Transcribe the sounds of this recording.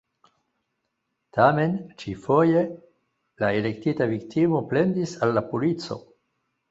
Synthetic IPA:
tʰame̞nt͡ʃifo̞je̞ | laele̞ktitaviktʰimo̞ple̞ndisalːapulit͡so̞̰

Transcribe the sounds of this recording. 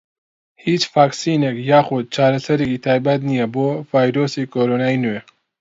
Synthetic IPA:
hit͡ʃfaːksinekjaːxud̪̚t͡ʃaːɾɐsɐɾiɡit̪ʰaːjbat̪nijabovajɾosikoɾonaːjnue

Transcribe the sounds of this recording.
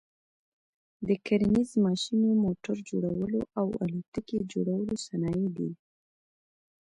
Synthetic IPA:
d̪əkaɾnizmɑʃinomoʈaɾd͡ʒo̰ɽawəloʔawa̰lit̪əked͡ʒoɽawəlosanɑjed̪ḭ

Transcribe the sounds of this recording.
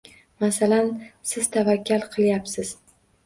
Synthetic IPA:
masalansɪzt̪ʰavakʲʰːalˠqʰɨlˠjapsɪz̥

